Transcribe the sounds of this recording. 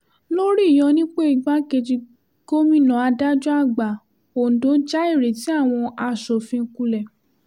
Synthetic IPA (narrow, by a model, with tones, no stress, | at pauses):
lo˦ɾi˦˨jɔ̃˧nĩ˦k͡pe˦i˨ɡ͡ba˦ke˧d͡ʒi˧ | ɡ̥o˦mĩ˦˨nã˨a˧da˦d͡ʒɔ˦a˦˨ɡ͡ba˨ | o˨n̩˨do˨˦d͡ʒa˦i˦˨ɾe˨ti˨˦a˦˨w̃ɔ̃˧a˧ʃɔ˨fĩ˧ku˧lɛ˨